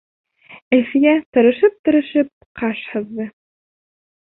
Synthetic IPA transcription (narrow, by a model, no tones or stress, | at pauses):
æ̆fijæt̪ɤ̆ɾɤ̆ʃɤp̚t̪ɤ̆ɾɤ̆ʃɤp̚qɑʃhɤ̆ðːɤ